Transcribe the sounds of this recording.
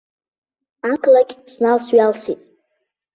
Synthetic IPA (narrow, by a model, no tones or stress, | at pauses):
akʰlaɡʲsnalsɥalsitʼ